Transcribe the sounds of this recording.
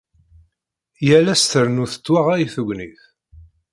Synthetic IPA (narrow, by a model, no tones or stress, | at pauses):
jælæst̪əɾnuθə̥t͡sːwaʁæjiθuɡʷniθ